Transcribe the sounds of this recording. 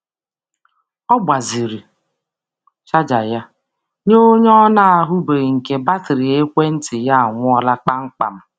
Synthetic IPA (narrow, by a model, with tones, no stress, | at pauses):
ɔ˦ba˨zi˨ɾi˨ | t͡ʃa˦d͡ʒa˨ja˦ | ɲo˦ɲɔ˦na˦a˨ɦʊ˦be˨ŋ̩˨ke˨ba˦tɪ˨ɾɪ˨e˦kʷe˦n̩˦tɪ˨ja˦a˨ŋʷʊ˦ɔ˦la˦k͡pa˦ŋ͡m̩˦k͡pa̰˨m̩˦